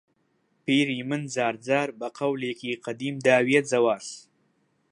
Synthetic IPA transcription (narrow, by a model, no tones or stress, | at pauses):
piːɾimənzɑːɾd͡zɑːɾbaqawlekiqad̪imd̪aːwijat̪zawaːɬ